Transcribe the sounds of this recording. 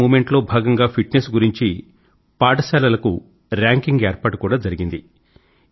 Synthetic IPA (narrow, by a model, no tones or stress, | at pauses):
uːme̞ɳʈloːbʱaːɡɐŋɡaːpʰiʈnesɡuɾiɲt͡ʃi | paːʈɐsɛːlɐlɐku | ɾaːŋkiŋɡeːɾpaːʈukuːɽaːd͡ʒɐɾiɡind̪i